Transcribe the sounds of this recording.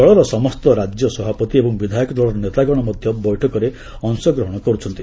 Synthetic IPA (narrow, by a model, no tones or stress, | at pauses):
ɔɭɔɾɔsɔmɔst̪ɔɾad͡ʒjɔsɔbʱapɔt̪iebɔŋbid̪ʱajikɔd̪ʱwaɭɔɾɔnet̪aɡɔɽ̃ɔmɔd̪ʱjɔbɔjʈʰɔkɔɾe | ɔŋsɔɡɾɔɦɔɽ̃ɔkɔɾut͡ʃʰɔnt̪i